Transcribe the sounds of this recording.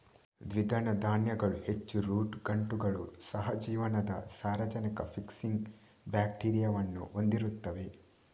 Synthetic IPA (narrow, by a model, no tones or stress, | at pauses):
d̪ʋid̪ʱɐnɐd̪aːnjɐɡɐɭuhet͡ʃːuɾuːʈɡɐɳʈuɡɐɭusɐɦɐd͡ʒiːʋɐnɐd̪ɐ̰saːɾʋɐd͡ʒɐnikɐpʰiksiŋɡ | bjaːkʈiːɾijaːʋɐnːṵo̞nd̪iɾut̪ːɐʋe̞